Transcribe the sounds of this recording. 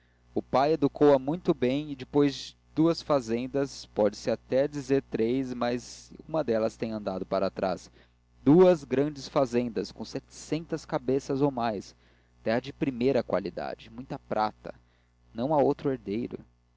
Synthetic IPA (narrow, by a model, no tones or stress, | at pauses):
ʊpajed̪ukowɐmũj̃t̪ʊbẽj̃ɪd͡ʒɪpojzd͡ʒɪ | d̪̥uɐsfazẽnd̪ɐspɔd͡ʒɪsɪat̪ɛd͡ʒizeɾt̪ɾejsmɐzũmɐd̪ɛlɐst̪ẽj̃ɐ̃nd̪ad̪ʊpaɾat̪ɾa̰s | d̪̥uɐzɡɾɐ̃d͡ʒɪsfazẽnd̪ɐskõsɛt͡ʃɪ̥sẽnt̪ɐskabesɐzowmajs | t̪ɛhɐd͡ʒɪpɾimejɾɐkwa̰lid̪a̰d͡ʒɪmũj̃t̪ɐpɾat̪ɐ̰ | nɐ̃w̃aowt̪ɾʊeɾd̪ejɾʊ̰